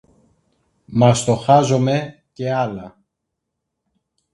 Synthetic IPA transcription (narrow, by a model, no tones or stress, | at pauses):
mɐst̪o̞xɐzo̞me̞ | ce̞ɐlɐ